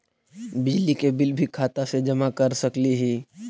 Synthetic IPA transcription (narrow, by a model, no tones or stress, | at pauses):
bɪd͡ʒlikebɪlbʱikʰaːt̪ased͡ʒɐmakɐɾsɐkliɦiː